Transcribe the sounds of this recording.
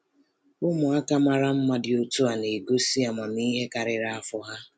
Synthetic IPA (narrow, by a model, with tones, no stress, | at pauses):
ʊ˦mʊ˨a˦ka˦ma˦ɾa˦m̩˦ma˦dɪ˨o˦to˦a˨ne˨ɡo˦si˦a˨ma˨ni˦ɦe˦ka˨ɾɪ˨ɾa˦a˦fʊ˦ɦa˦